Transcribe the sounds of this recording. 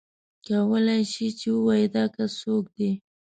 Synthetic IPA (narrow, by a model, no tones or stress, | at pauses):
kawəlajʃit͡ʃewəwɑjid̪ɑkasok̚d̪i